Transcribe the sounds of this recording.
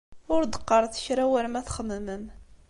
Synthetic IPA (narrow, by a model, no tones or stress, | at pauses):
ʊɾd̪ə̥qːəɾˤθə̥çɾæwæɾmæθχəməmən